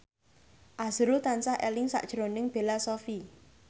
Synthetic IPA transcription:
ʔaz̥ɾut̪ansahʔɛ̰lɪŋsa̰ʔd̥ʒ̥ɾonɪŋb̥e̤lasofi

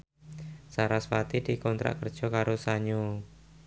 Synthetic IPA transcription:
saɾasfat̪idikɔnt̪ɾa̰ʔkərd̥ʒ̥ɔkaɾosaɲo

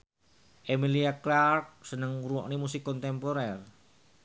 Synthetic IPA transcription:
ʔemiliaklark̚sənəŋuɾuwɔʔnimusikːɔnt̪ɛmpoɾɛr

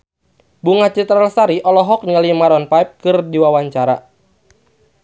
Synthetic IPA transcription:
buŋat͡ʃɛt̪ɾalsaɾiʔɔlɔɦɔk̚niŋalimaɾɔnpaip̚kɨrdiwawaɲt͡ʃaɾa

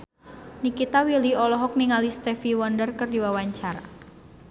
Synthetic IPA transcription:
nikit̪awiliɔlɔɦɔk̚niŋalist̪ɛfiwɔndərkərdiwawaɲt͡ʃaɾa̰

